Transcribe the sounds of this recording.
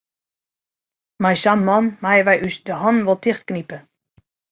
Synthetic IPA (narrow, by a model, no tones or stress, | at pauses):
majsanmɔnmajəʋɛjʔysdəɦɔnʋɔlˠtʰɪxt̚knipə